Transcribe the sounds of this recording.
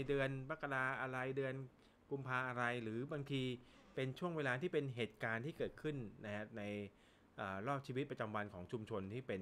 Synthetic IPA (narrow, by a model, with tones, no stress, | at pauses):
dɯː˧ənpa˦˥kːa˧laː˧ʔa˧ɾa˧jdɯ˧ən | ku˧mpʰaː˧ʔa˧ɾa˧jɾɯː˩˦ba˧ŋt̪ʰiː˧ | pe˧nt͡ɕʰu˥˩əŋweː˧laː˧t̪ʰiː˥˩pe˧nɦeː˨˩t̪̚kaː˧nt̪ʰiː˥˩kɤː˨˩t̪̚kʰɯ˥˩nːa˦˥kʰa˦˥na˧j | ʔəː˨˩ɾɔː˥˩p̚t͡ɕʰiː˧wi˦˥t̪̚pɾa˧t͡ɕa˧mwa˧nkʰɔː˩˦ŋt͡ɕʰu˧mt͡ɕʰo˧nt̪ʰiː˥˩pe˧n